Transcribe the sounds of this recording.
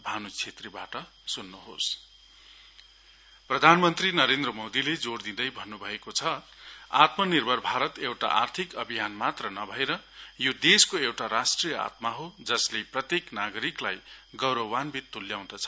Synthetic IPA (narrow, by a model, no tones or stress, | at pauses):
bʱanut͡sʰet̪ribaʈʌ | sunːuɦo̰s | prʌd̪ʱanmʌnt̪rinʌɾend̪rʌmod̪iled͡zord̪ĩd̪ʌjbʱʌnːubʱʌekot͡sʰʌa̰t̪mʌnirbʱʌrbʱaɾʌt̪ewʈa̰ʔa̰rt̪ʰikʌbʱijanmat̪rʌnʌbʱʌeɾʌjod̪eskoewʈaɾasʈrijʌa̰t̪maɦod͡zʌsleprʌt̪jeknaɡʌɾiklajɡʌwɾʌwanbit̪ːuljaw̃d̪ʌt͡sʰʌ